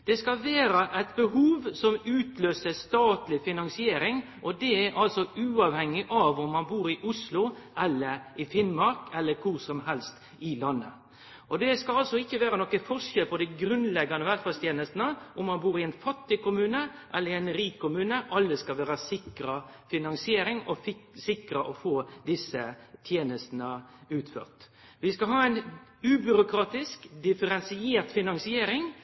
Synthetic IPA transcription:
d̪̥ɛskɑlʋeːɾɑʔæɪt̪bəhuːʋsɔmʉːt̪løːsəst̪ɑːt̪lɪfɪnɑŋsɪeːɾɪŋ | ʔɔd̪ɛæɾʔɑlsɔʉːɑʋhɛŋːɪʔɑʋʊmːɑnbuːɾɪʔʊslʊʔɛlːəɾɪfɪnmɑɾkɛlːəɾkʰʊɾsɔmɦɛlst̪ | ɪlɑnːə̰ | ʔɔd̪ɛskɑlɑlsɔɪçːəʋæːɾənɔkːəfɔʂɛlpʰɔd̪ɛɡɾʉnlɛɡːɑnəʋæt̪fɑst̪jeːnəst̪nəʔʊmːɑnbuːɾɪɛnfɑt̪ːɪkʊmʉːnə | ʔɛlːəɾɪɛnɾiːkʰːʊmʉːnəʔɑlːəskɑʋæːɾəsɪkɾɑfɪnɑŋsɪeːɾɪŋɔsɪkɾəʔɔfoːd̪ɪsət̪ʰjeːnəst̪nəʉːt̪fø̰ːʁt̪ | ʋɪskɑɦɑːɛɪnʉːbʏɾʊkɾɑːt̪ɪskd̪ɪfəɾɛnsɪeːɾt̪fɪnɑŋsɪeːɾɪŋ

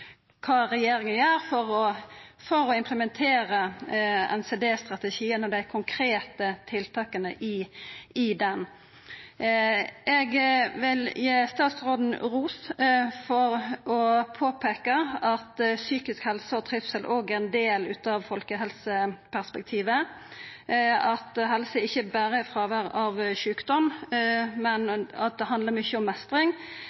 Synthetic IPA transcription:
kʰɑːɾɛjeːɾɪŋənjæːɾfɔɾɔfɔɾɔɪmpʰləmɛnt̪ʰeːɾəɛ̰nseːd̪eːst̪ɾɑt̪ɛʃiːənɔd̪ɛækʰʊŋkʰɾeːt̪ət̪ʰɪlt̪ʰɑːkənə̰ʔɪɪd̪ɛn | ɛɡʋɪljeːst̪ɑːt̪sɾoːd̪n̩ɾuːsfɔɾɔpʰoːpʰeːkəɑt̪syːkɪskhɛlsəɔt̪ʰɾɪfsɛlʔoːɡæɾɛnd̪eːlʉ̰ːt̪ɑʋfɔlkəɦɛlsəpʰæʁspɛk̚t̪ʰiːʋə | ɑt̪ɦɛlsəɪçːəbæːɾəfɾɑːʋæɾɑʋʃʉːkd̪ɔm | mɛnɑ̰t̪̚d̪ɛɦɑnd̪ləʁɾmʏçːəɔmːɛst̪ɾɪŋ

